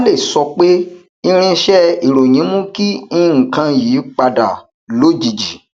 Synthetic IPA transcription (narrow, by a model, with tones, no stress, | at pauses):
le˦˨sɔ˧k͡pe˦ | ĩ˧ɾ̃ĩ˧˦ʃɛ˦i˨ɾo˨ɲ̃ĩ˨˦mũ˦ki˦ĩ˧ŋ̩˨kã˧jiː˨˦k͡pa˧da˨ | lo˦d͡ʒi˨d͡ʒi˨